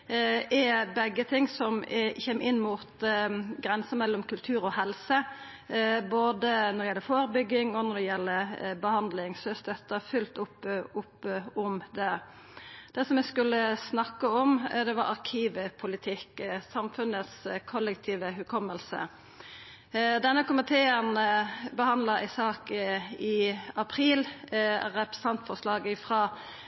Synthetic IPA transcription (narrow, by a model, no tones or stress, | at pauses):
ʔɛbɛɡːət̪ʰɪŋːsɔmçeːmʔɪnːmʊt̪ɡɾɛnsəmɛlːɔmkʰʉlt̪ʰʉːɾɔhɛlsə | boːd̪ənɔɾɛɪɛlːəɾfoːɾəbʏɡːɪŋɔnɔd̪ɛjɛlːəbəhɑnd̪lɪŋsœst̪ɛt̪ːəfʏlt̪ʊpːʊpːɔmd̪ɛ | d̪̥ɛsɔmɛskʉlːəsnɑkːəɔmd̪ɛʋɑɾɑɾʁkʰiːʋəpʰʊlɪt̪ʰɪksɑmfʉnət̪skʰɔlːɛk̚t̪ʰiːʋəɦʉkʰɔmːəlsə̰ | d̪ɛnːəkʊmɪt̪ʰeːənbəhɑnd̪ləɾɪsɑːkɪɑpʰɾiːlɾɛpə̥sɑnt̪fɔʁslɑːɡəfʁɑː